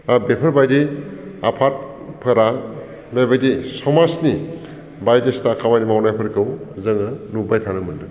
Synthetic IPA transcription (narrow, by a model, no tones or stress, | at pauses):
abepʰəɾbajdiapʰat̚ | pʰɯɾa | bajbajdisɔmasni | bajdestakʰawajnimawnajpʰɯɾkʰɯwzɯŋɯnubajtʰanɯmɯndɯ